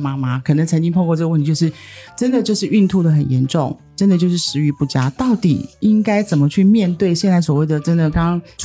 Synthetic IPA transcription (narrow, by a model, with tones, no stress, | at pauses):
ma˧˥ma˨˦kʰɤ˨˩nə˧˦˥ŋt͡sʰə˧˥ŋt͡ɕi˥ŋpʰo˥˧ŋkwɔ˥˧ʈ͡ʂɤ˥˧wt̪ʰi˧t͡ɕjʊʂɻ̩˥˩ʈ͡ʂə˦˥nd̪ə˨t͡ɕjo˥˧ʊʂɻ̩˥˩y˥˧nt̪ʰu˥˩d̪ə˩xə˨˩njɛ˧˥nʈ͡ʂʊ˥˩ŋʈ͡ʂə˦˥nd̪ə˨t͡ɕjo˥˧ʊʂɻ̩˥˩ʂɻ̩˧˥y˧˥pu˥˩t͡ɕja˥t̪ɑ˥˩ʊt̪ḭ˨˩i˦ŋka˥ɪt͡sə˨˩nmə˦t͡ɕʰy˥˧mjɛ˥˧nt̪we˥˩ɪɕjɛ˥˧nt͡sa˥˩ɪswɔ˨˩we˥˩ɪd̪ə˩ʈ͡ʂə˥nd̪ə˨kɑ˥˦ŋɑ˥ŋʈ͡ʂʰ